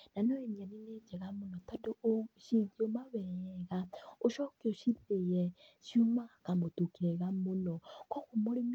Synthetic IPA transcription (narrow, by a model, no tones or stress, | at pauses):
nanoeɲanined͡ʒɛɣamonɔtadoʃiɡiomaβɛjɛɣaoʃɔkeoʃiɾejɛʃumakamotukiɾeɣamonɔkɔkomoɾem